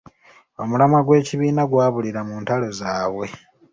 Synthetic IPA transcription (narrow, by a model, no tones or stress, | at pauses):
o̞mulamaɡwe̞ːciβiːnaɡwaːβuliɾamuːntalo̞zaːβwe̞